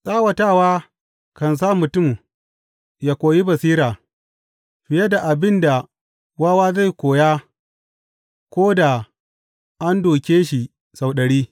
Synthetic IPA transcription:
sʼaː˦wɐ˨taː˦˨waː˦ | kɐ˨ns̬aː˦mʊ˨tʊ˦˨m | jaː˦kʷoː˨ji˦bɐ˨siː˦ɾaː˨ | ɸɪ˨ja˦da˨ʔa˨bɪ˦nda˨ | waː˦waː˦za˦˨jkʷoː˨jaː˦ | kʷoː˦da˨ | ʔa˦ndoː˨kʲeː˦ʃi˨ | sa˨wɗɐ˨ɽiː˦

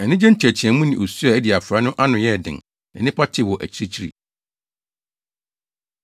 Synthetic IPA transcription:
ɛ˨nɪ̃˦d͡ʑɛ̃˦n̩˦tʰi˨æ˨t͡ɕʰi˨ɛ̃˨˦mũ˦nɪ̃˨ʔo˨su˦a˨æ˦di˨a˨fɾa˦nʊ̃˦ʔa˦nʊ̃˨jɛ˦˨dɪ̰̃˨n | ɛ̰˨nɪ̃˦pʰa˦tʰɪ˦˨wɔ˨ʔæ̰˨t͡ɕʰi˨˦ɾi˦t͡ɕʰi˦ɾḭ˨

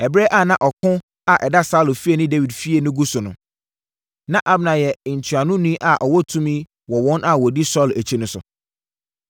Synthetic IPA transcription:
ɛ˨bɾɛ˦ʔa˦˨nã˨ʔɔ˨kʰʊ̃˦ | a˨ʔɛ˨da˦sa˦lʊ˨fi˦e˨nʊ̃˦de˦wi˨dfi˦e˨nʊ̃˦ɡu˦sʊ˨nʊ̰̃˨ | nã˦ʔa˦bnã˨jɛ˨n̩˨tʰu˨a˨nʊ̃˦nĩ˦ʔa˨ʔɔ˨wɔ˦tʰũ˦mĩ˦ | wɔ˨wɔ̃˦nʔa˨wɔ˨di˦sɔ˦˨læ˨t͡ɕʰi˦nʊ̃˨˦sʊ̰˨

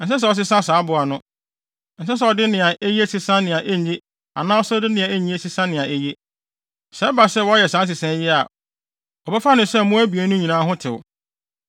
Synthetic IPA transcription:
n̩˨sɛ˦s̬ɛ˨ɔ˨s̬ɪ˦sã˦˨saː˨˦bʊ˨a˨nʊ̃˦ | n̩˨s̬ɛ˦s̬ɛ˨ɔ˨dɪ˦nɪ̃˨a˨ʔe˦je˦sɪ˦sã˦nɪ̃˨ã˨ʔe˦ɲẽ˦ | a̰˨nã˦ɔ˦sɛ˦dɪ˦nɪ̃˨a˨e˦˨ɲĩ˦e˦si˦sã˦nɪ̃˨ã˨ʔe˦je˦ | sɛ˨˦ba˨sɛ˦˨wɔ˦jɛ˨sã˨˦s̬ɪ˨sɛ̃˦jɪ˦a̰˨ | ɔ˨bɛ˦fa˦nʊ̃˨˦sɛ˦mʊ̃˦æ˦bi˨e˨˦nʊ̃˦ɲĩ˨nãː˦ɦʊ̃˦tʰɪ˨wʊ̰˨

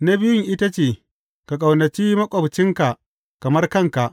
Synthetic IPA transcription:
nɐ˦bɪ˦jɪ˦ŋʔɪ˦ta˦t͡ʃeː˨ | ka˨kʼa˨wnɐ˨t͡ʃiː˦mɐ˦kʷʼɐ˨bt͡ʃɪ˦ŋka˨ʔ | kɐ˨mɐ˦rkɐ˦˨ŋka˨ʔ

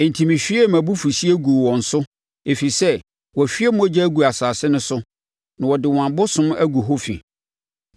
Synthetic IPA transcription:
n̩˨tʰi˨mĩ˨ɕᶣi˦e˦˨mæ̃˨bu˦fu˨si˦æ˦ɡu˨wɔ̃˨n̩˨sʊ˦ | e˨fi˨sɛ˦ | wɔ˨ɕᶣi˦ɛ˦mʊ̃˦æ˦d͡ʑɛ˦ɡu˨a˨saː˨sɪ˦nʊ̃˦sʊ˦ | nã˨wɔ˨dɪ˨wã˨mbʊ˦sʊ̃˦mæ˦ɡu˨ɦo˦fḭ˨

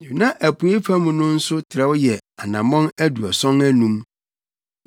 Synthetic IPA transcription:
nĩ˨i˨nã˦ʔæ˨pʰu˨e˦fʰã˦mũ˨nʊ̃˦n̩˦sʊ˦tʰɪ˨ɾɛ˦wjɛ˨a˨nã˨mɔ̃˦næ˦du˨ɔ˨sɔ̃˦ŋæ˦nũ˦m

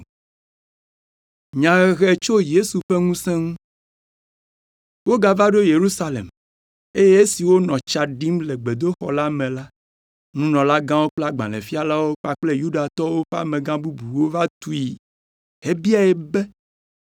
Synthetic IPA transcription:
ɲã˨ɣɛ˨t͡ʃo˦je˦su˨ɸe˦ŋũ˦sɛ̃˦ŋũ˦ | wo˦ɡa˦va˦ɖo˦je˨ɾu˦sa˦lḛ˨m | e˦je˦e˦si˨wo˦nɔ̃˨t͡ʃa˨ɖi˦mle˨ɡ͡be˨d̪o˦xɔ̰˨la˦mẽ˨la˦ | nũ˦nɔ̃˨la˦ɡã˦wo˦k͡ple˦a˦ɡ͡bã̰˨lɛ̰˨fi˦a˨la˦wo˦k͡pa˨k͡ple˦ju˦ɖa˨t̪ɔ˦wo˦ɸɛ˦a̰˦mẽ˨ɡã˦bu˦bu˨wo˦va˦t̪u˦i˨ | he˦bi˦a˨ɛ˨bɛ˦

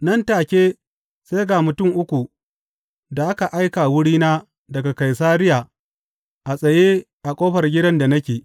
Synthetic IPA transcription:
nɐ˦ntaː˨kʲeː˦ | se˦jɡa˨mʊ˨tʊ˦˨ŋʔʊ˦kʷu˨ | da˨ʔa˦ka˨ʔa˦jkaː˨wʊ˦ɽiː˦naː˦ | dɐ˨ɡa˨ka˨jsaː˦ɾɪ˦jaː˨ | ʔa˨sʼɐ˨jeː˦ | ʔa˨kʷʼoː˦ɸɐ˨rɡʲɪ˦dɐ˦nda˨nɐ˦kʲeː˨

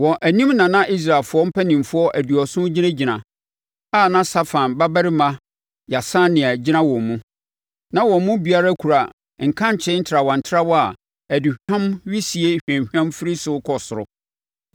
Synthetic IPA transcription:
wɔ̃˨ʔæ˨nĩ˦mnã˨nã˦ʔi˦s̬ɾa˨lfʊ˦ɔ˦m̩˦pʰæ˦nĩ˨mfʊ˦ɔ˦ʔæ˨di˨ɔ˨sʊ̃˦d͡ʑi˦nã˦d͡ʑi˨nã˨ | a˦˨nã˦sa˦fã˨nba˦bæ˦ɾɪ˦mã˦ | ja˨sã˦nɪ̃˨a˨d͡ʑi˦nã˦wɔ̃˨mmũ˦ | nã˦wɔ̃˨mmʊ̃˦bi˨˦a˦ɾa˦kʰu˨ɾa˨ | ŋ̩˨kʰã˦ɲ̩˨t͡ɕʰɪ˦n̩˦tʰɾa˨wɔ̃˨n̩˨tʰɪ˦ɾa˦wɔ˦a˨ | æ˨di˨hᶣã˦mɥi˦si˨e˦hᶣæ̃˨ɲ˨hᶣã˦mfɪ˦ɾi˦sʊ˦kʰɔ˨sʊ˨ɾʊ˦

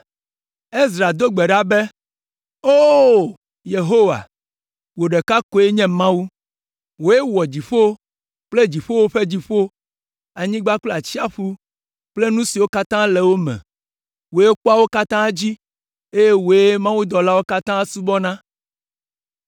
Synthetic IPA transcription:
e˦zɾa˨d̪o˦ɡ͡be˨ɖa˦be˦ | o˦ | je˨ɦo˦wa̰˨ | wo˨ɖe˨ka˦ko˨e˦ɲɛ̃˦mã˦wu˦ | wo˨e˦wɔ˨d͡ʑi˨ɸo˦ | k͡ple˦d͡ʑi˨ɸo˦wo˦ɸe˦d͡ʑi˦ɸo˦ | a˨ɲĩ˦ɡ͡ba˦kle˦a˨t͡ɕi˦a˦ɸu˦ | k͡ple˦nũ˦si˨wo˦ka˦t̪ã˦le˨wo˦mɛ̰̃˨ | wo˨je˦k͡po˦a˦wo˦ka˦t̪ã˦d͡ʑi˦ | e˦je˦wo˨e˦mã˦wu˦d̪ɔ˨la˦wo˦ka˦t̪ã˦su˦bɔ˦nã˦

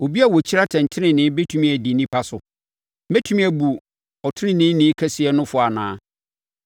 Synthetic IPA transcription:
o˨bi˦a˦˨wɔ˨t͡ɕʰi˦ɾa˦tʰɛ̃˨n˨tʰɪ˦nɪ̃˨nɪ̃˨˦be˦tʰũ˨mĩ˦æ˨di˨nĩ˦pʰa˦sʊ˨ | be˦tʰu˦mĩ˦æ˨bu˨ | ɔ˨tʰɪ̃˦nɪ̃˦nɪ̃˦nɪ̃˦kʰɛ˦sɪ˨ɛ˦nʊ̃˦fʊ˨a˨nãː˨˦

